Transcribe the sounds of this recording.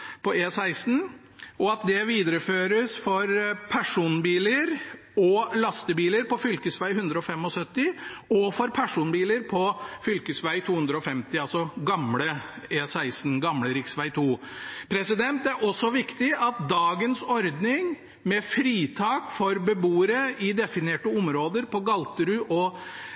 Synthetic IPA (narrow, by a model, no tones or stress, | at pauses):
pɔeːsæɪsn̩ | ɔɑt̪̚d̪ɛʋiːd̪əɾəføːɾəsfɔɾpʰæʂuːnbiːləɾ | ɔlɑst̪əbiːləɾpɔfʏlkəsʋæɪhʉnd̪ɾəɔfɛmːɔsœt̪ːɪɔfɔɾpʰæʂuːnbiːləɾpʰɔfʏlkəsʋæɪt̪ʰuːhʉnd̪ɾəɔfɛmt̪ɪɑlsɔɡɑmləesæɪsn̩ɡɑmləɾɪksʋæɪt̪ʰuːpʰɾɛsɪd̪ɛnt̪æɾʔɔsːɔʋɪkt̪ɪɑt̪̚d̪ɑːɡənsɔɾd̪nɪŋ | mɛfɾiːt̪ʰɑːkfɔɾbəbuːəɾəɪd̪ɛfɪneːʈəʊmɾoːd̪əɾpɔɡɑlt̪əɾʉʔɔ